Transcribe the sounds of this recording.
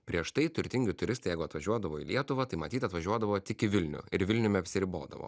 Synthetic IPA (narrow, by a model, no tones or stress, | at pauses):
pʲɾʲiɛʃt̪ɐɪt̪ʊɾʲt̪ʲɪŋʲɡʲɪt̪ʊɾʲɪst̪ɐɪjɛɪɡʊɐt̪ʋɐʒʲuɔd̪ɐʋoːḭːlʲiɛt̪ʊʋɐt̪ɐɪmɐt̪ʲiːt̪ɐt̪ʋɐʒʲuɔd̪ɐʋoːt̪ʲɪkɪʋʲɪlʲnʲʊ̰ɪɾʋʲɪlʲnʲʊmʲɛɐpʲsʲɪɾʲɪbo̰ːd̪ɐ̰ʋo̰ː